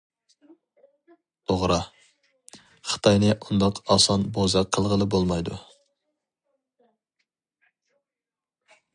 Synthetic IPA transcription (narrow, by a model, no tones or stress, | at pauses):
oʁɾɑ | χə̥t̪ʰɑjnɨʔund̪ɑqɑsɑnbozɑqʰːəlˠʁəlˠɨbolˠmɑjd̪u